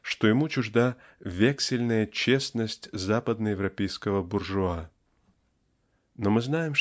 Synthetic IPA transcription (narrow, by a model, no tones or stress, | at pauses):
ʂt̪ojɪmut͡ɕʊʐd̪avʲeksʲɪlʲnəjət͡ɕe̞snəsʲtʲzapəd̪nəjɪvrɐpʲejskəvəbʊrʐʊa | nomɨznajɪm